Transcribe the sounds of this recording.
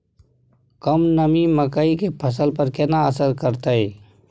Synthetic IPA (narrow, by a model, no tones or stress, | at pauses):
kɐmnɐmiməkaikepʰɐs̬əlpəɾkɛːnaəsəɾkəɾt̪aeː